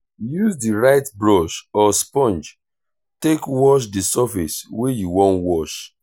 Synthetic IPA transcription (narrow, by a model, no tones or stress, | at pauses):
juzdiɹaɪtbɹɔʃɔspɔ̃nd͡ʒ | tekwɔʃ̬disafiswejuwɔ̃ntwɔʃ